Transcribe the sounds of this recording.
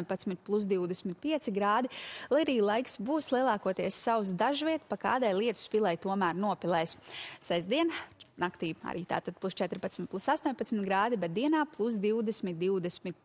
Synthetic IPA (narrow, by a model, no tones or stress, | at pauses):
ɲpat̪smit̪̚plˠus̬d̪iwd̪ɛsmit̪̚piɛt̪siɡɾaːd̪ilˠajaɾiːlˠajksbuːslˠiɛlˠɑːkuɔt̪iɛsːaws̬d̪aʒviɛt̪paka̰ːd̪ajlˠiɛt̪u̥spilˠɛjt̪uɔmæːɾnuɔpilˠɛjssɛzd̪iɛnnakt̪iːa̰ɾḭːt̪a̰ːt̪ad̪̚plˠust͡ʃɛt̪ɾpat̪smit̪̚plˠusast̪uɔːɲʲpat̪smit̪ɡɾaːd̪ibɛt̪̚d̪iɛnaːplˠus̬d̪iwd̪ɛsmit̪̚d̪iwd̪ɛsmit̪̚